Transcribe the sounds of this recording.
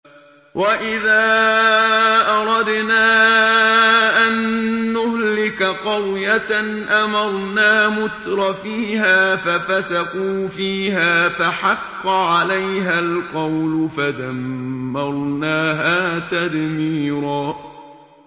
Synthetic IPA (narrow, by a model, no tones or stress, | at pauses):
wʔaʔɪðaː | ʔɑɾˤɑd̪naː | ʔanːʊhlɪkaqɑwjaanʔamɑɾˤnaːmʊt̪ɾˤɑfiːhaːfafasaquːfiːɦaːfaħɑqːɑʕalajɦalqɑwlʊfad̪amːɑɾˤnaːɦaːt̪ad̪miːɾaː